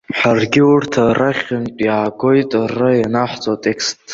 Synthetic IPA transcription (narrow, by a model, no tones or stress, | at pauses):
ħarɡʲɪʊrtʰaraχʲʊnpʼjaːɡo̞jtʼrajanaħʷt͡sʼotʼekʰstʰʼ